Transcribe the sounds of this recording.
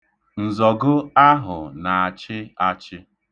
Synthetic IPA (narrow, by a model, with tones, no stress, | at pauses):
n̩˨zɔ˨ɡʊ˦a˦ɦʊ̰˨na˨a˨t͡ʃɪ˦a˦t͡ʃɪ˦